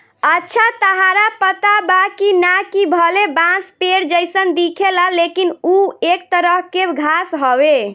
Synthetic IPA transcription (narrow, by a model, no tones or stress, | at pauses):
ətːʃʰat̪əɦaɾapət̪abakinakibʱəlebãspeɾd͡ʒəɪsənd̪ikʰeləlekinuekt̪əɾəɦkebɡʱasɦɔbe